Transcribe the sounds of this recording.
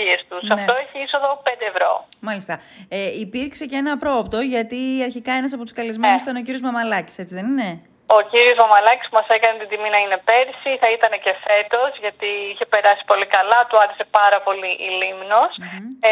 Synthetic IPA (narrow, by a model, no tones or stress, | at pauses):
iest̪usɐft̪o̞eçiisoðo̞pend̪eːvɾo̞̰mɐlist̪ɐ | eipiɾkse̞ceenɐpɾo̞ːpt̪o̞ʝɐt̪iɐɾçikɐe̞nɐs̬ɐpot̪u̥skɐlizmenusit̪ɐneociɾiozmɐmɐlɐci̥se̞t͡siðe̞nine̞ | o̞ciɾio̞zmɐmɐlɐci̥spumɐsekɐnet̪ind̪iminɐine̞pe̞ɾsiθɐit̪ɐne̞ce̞fe̞t̪ozʝɐt̪iiçe̞pe̞ɾɐsi̥po̞likɐlɐt̪uɐɾese̞pɐɾɐpo̞liʔilimnos